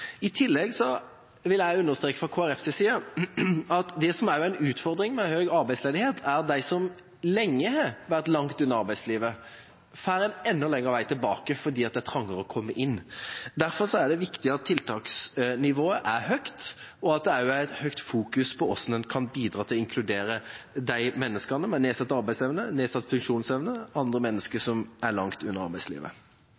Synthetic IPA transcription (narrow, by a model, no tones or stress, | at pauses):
ɪt̪ʰɪlːɛɡsɔ | ʋɪlæɪʉnːəʁst̪ɾeːkə̥fʁɑkʰoːæɾɛfsesiːə | ɑt̪d̪ɛsɔmæɾjʊæɪnʉːt̪fɔɾd̪ɾɪŋmɛhøːɡɑɾbæɪsleːd̪ɪheːt̪ʰæɾd̪æɪsɔm | lɛŋːəhɑʋæʁt̪lɑŋt̪ʉnːəɾɑʁbæɪsliːʋə | fæːɾɛnɛnːɔlɛŋːəʁəʋæɪt̪ʰɪlbɑːkəfɔd̪iːɑt̪̚d̪ɛæt̪ʰɾɑŋːəɾəɔkʰɔmːəʔɪnːd̪æɾfɔɾsɔæɖɛʋɪkt̪ɪɑt̪ʰːɪlt̪ʰɑːksnɪʋoːəʔæɾhœkt̪ɔɑt̪̚d̪ɛæɾjʊæɪt̪hœkt̪fuːkʉspʰɔɔsnənkʰɑnbiːd̪ɾɑːt̪ʰɪlɔɪŋkʰlʉd̪eːɾəd̪æɪmɛnːəskɑnəmɛneːsɑt̪ːɑʁbæɪsɛʋnəneːsɑt̪ːfʉŋkʂuːnsɛʋnəɑnd̪ʁəmɛnːəskəsɔmæɾlɑŋt̪ʉnːəɾɑʁbæɪslḭːʋə̰